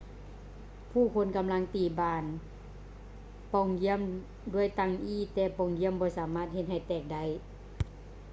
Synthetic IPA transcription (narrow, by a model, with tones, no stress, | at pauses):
pʰuː˧˩kʰo˧˥nka˧mla˧˥ŋt̪iː˨˩baː˧˩n | pɔː˧˩ŋji˧˥əm | du˧˩˨əjt̪a˧˩ŋʔiː˧˥˩t̪ɛː˧˩pɔː˧˩ŋji˧˥əmbɔː˧˦saː˨˦maː˧˩t̪̚he˧t̪̚ha˧˩jt̪ɛː˧˩k̚da˧˨j